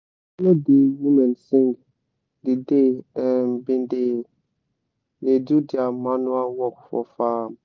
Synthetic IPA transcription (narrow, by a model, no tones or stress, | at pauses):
nɔ̃dewumɛ̃nsɪ̃ŋɡ | dɪdeɛmbɪ̃ndɪ | nedudɪamãnʊ̃awɔkfɔ̰faːm